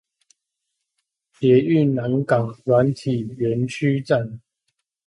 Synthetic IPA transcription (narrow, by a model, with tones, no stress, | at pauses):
pjɛ˨˦y˥˨na˨˦nkɑ˨˩ŋlwa˨˦nt̪ʰi˨˩ɥɛ˨˦nt͡ɕʰy˦t͡sa˥˨n